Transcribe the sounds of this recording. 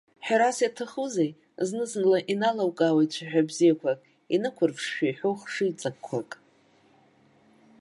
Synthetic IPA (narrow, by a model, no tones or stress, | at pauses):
ħᶣaɾasjatʰaχuzej | znɨznlaʔinalawkʼawat͡ʃʷʰaħᶣabzijakʷʰakʼ | inɨkʷʰʊrpʰʂʃᶣajħoχʂɨjt͡sʼakkʷʰːakʼ